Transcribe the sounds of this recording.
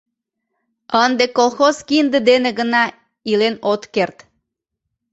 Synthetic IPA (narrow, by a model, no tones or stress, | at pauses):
ənd̪ekolˠxozkind̪əd̪eneɡənɑ | ilenot̪kert̪